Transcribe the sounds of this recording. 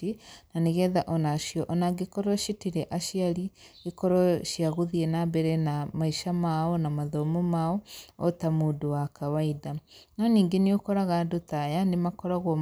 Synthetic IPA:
inaneɣɛðaʔɔnaʃjɔʔɔnaɡekɔɾɔʃitiɾɛʔaʃiali | ekɔɾɔʃjaɣuðienabɛɾɛnamaiʃamaɔnamaðɔmɔmaɔɔtamuːdowakawaiðananiːŋɡeneokɔɾaɣadutajanemakɔɾaɣwɔ

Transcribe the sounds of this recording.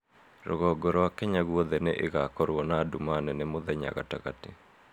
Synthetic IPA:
ɾɔ̰ɣɔɡɔɾɔwakɛɲaɣwɔðɛneʔeɣakɔɾwɔnadumanɛnemoðɛɲa̰ɣa̰ta̰ɣate

